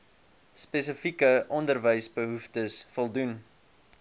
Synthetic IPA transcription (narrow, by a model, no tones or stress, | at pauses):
spɛs̬əfikəʔɔndərvəjsbəɦuftəsfɔlˠdun